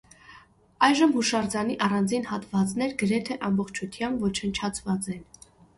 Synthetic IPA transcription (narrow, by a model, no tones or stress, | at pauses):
ɑjʒəmhuʃɑrd͡zɑniʔɑrɑnd͡zinhɑt̪vɑt͡snɛɾɡəɾɛt̪ʰɛʔɑmbɔχt͡ʃʰut̪ʰjɑmbvɔt͡ʃʰənt͡ʃʰɑt͡sʰvɑt͡sɛn